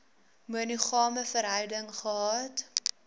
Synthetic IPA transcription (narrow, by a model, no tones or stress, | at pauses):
muəniχɑːməfəɾɦœɥdəŋχəɦɑːt